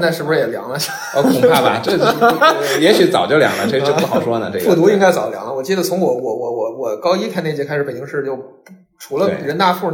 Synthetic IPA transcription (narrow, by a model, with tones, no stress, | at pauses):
na˥˧ʂɻ̩˥˩bu˧ʂɻ̩˥˩jɛ˨˩ljɑ̰˧˥ŋlə˧˥˩ | o˥˧˩kʰpʰa˥bɐ̰˧ʈ͡ʂjɛ˧˥ɕy˧˥t͡sɑ˨˩ʊt͡ɕjo˥˩ʊljɑ̰˧˥ŋlə˧˥˩u˥˩xɑ˨˩ʊʂwɔ˥nə̰˨ʈ͡ʂə˥˩fu˥˩t̪̬u˧˥i˥ŋka˥ɪt͡sɑ˨˩ʊljɑ̰˧˥ŋlə˧wɔ˨˩t͡ɕi˥˩d̪ə˩t͡sʰʊ˧˥ŋwɔ˨˩wɔ˧˩wɔ˨˧˥wɔ˨˩˦wɔ˨˩kɑ˥ʊi˥t̪ʰa˥˧ne˥˩t͡ɕjɛ˧˥kʰa˥ɪʂ̩˧˥pe˨˩ɪt͡ɕi˥ŋʂɻ̩˥˩t͡ɕjo˥˩ʊ | ʈ͡ʂʰu˧˥lə˧e˧ɻə˧˥nt̪a˥˧fu˥˩